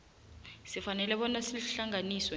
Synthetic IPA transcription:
sifanɛlɛɓɔnasiɬaŋʱaniːswɛ

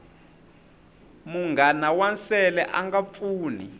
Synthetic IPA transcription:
muŋɡanawansɛlɛʔaŋɡafuːni

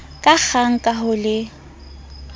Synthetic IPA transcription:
kʼak͡xaŋ̩kʼaɦʊlɪ

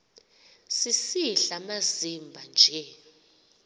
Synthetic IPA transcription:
sisiɬamazimbʱand͡ʒʱɛ

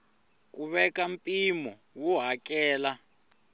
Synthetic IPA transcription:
k̬ʼuβɛkʼampʼimɔ | wɔɦak̬ʼɛːla

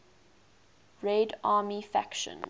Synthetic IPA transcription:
ɹedɑːmifæ̰kʃə̰̃n

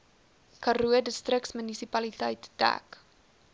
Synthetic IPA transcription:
kɐɾuədəstrəksmənisipɐlitəjtd̥æ̰k

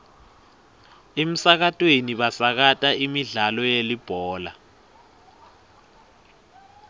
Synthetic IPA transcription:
em̩sak̬atʼweniɓasak̬atʼaimiɮalɔjelib̥ʱɔːla

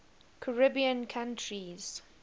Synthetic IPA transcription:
kʰəɹɪbiə̃nkʰãntʰɹiz̥

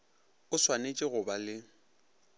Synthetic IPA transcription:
ʊswanet͡ʃʼɪɣʊbalɪ

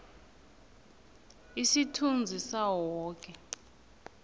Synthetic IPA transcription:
isitʰund͡zʱisawɔːkʼɛ

